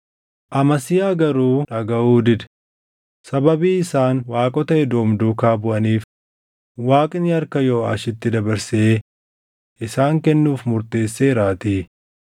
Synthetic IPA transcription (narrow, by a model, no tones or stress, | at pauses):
ʔɐmɐsɪjaːɡɐɾuːᶑɐɡɐʔuːd̪ɪd̪ | sɐbɐbiːɪsaːnwaːkʼɔt̪ɐɛd̪oːmd̪uːkaːbʊʔɐniːf | waːkʼɪnɪɐɾkɐjo̞ːa̰ːʃɪt̪ːɪd̪ɐbɐɾseː | ʔɪsaːŋkɛnːuːfmʊɾt̪e̞ːsːeɾaːt̪iː